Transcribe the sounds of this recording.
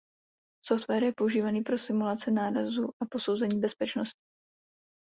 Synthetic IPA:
soft̪vɛːɾjɛpo̞uʒiːvaniːpɾo̞sɪmulat͡sɪnaːɾazuʔapo̞so̞wzɛɲiːbɛspɛt͡ʃnoscɪ̥

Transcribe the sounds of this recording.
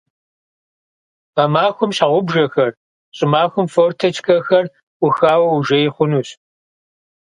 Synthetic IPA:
qɐmaːxʷʊmɕaʁʷʊbʒɐxɐr | ɕʼɪmaːxʷʊmfoːrtʰɐt͡ʃʰʼxɐxɐr | ʔʷʊxaːwɐwuʒɐjɪχʷʊnuːɕ

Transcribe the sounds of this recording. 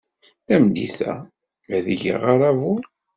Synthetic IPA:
θæmd̪ḭθæ̰ | mæðəʝə̰ʁaɾˤavuɾ

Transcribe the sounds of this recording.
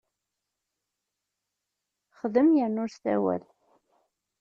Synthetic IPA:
χəðəmjəɾnʊɾst̪æ̰wæ̰l

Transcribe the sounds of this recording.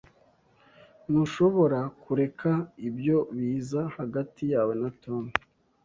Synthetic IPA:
nuʃo̞βo̞ɾakuɾe̞kʰaibjo̞βiːzahaɡatijaːwe̞nato̞mi

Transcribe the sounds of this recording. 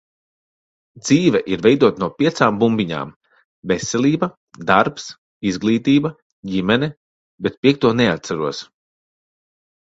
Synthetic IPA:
d̪z̥iːvɛʔiɾvɛjd̪uɔt̪anuɔpʲiɛt̪saːmbumbʲiɲa̰ːm | vɛsːɛlʲiːbɐ | d̪aɾps | izɡlˠiːt̪iːbɐ | ɟimɛnɛ | bɛt̪̚pʲiɛk̚t̪uɔnɛat̪̚saɾuɔs

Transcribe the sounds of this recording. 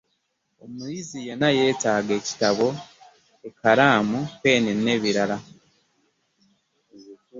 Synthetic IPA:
omujizijenaje̞ːtaːɡe̞ːci̥taβo̞ | ekaɾaːmukwe̞ːnenːe̞ːβiɾala

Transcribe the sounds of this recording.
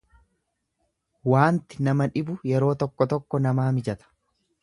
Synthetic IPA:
waːnt̪ɪnɐmɐᶑɪbʊjɛɾo̞ːt̪ɔkːɔt̪ɔkːɔnɐmaːmɪd͡ʒɐt̪ɐ̥

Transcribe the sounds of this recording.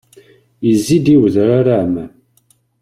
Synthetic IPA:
jəzːid̪iwəðɾaɾaʕmæn

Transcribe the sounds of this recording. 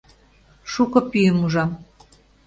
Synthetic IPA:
ʃukɤ̆pyjəmuʒɑm

